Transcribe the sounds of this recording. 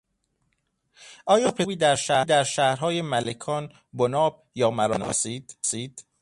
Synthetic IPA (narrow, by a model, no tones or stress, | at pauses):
ʔɒːjɒːpʰebiːd̪æɾʃæːhd̪æɾʃæːhɾɦɒːjemælekʰɒːn | bonɒːb̚jɒːmæɾɒ̰ːnɒ̰siːd̪̥siːd̪̥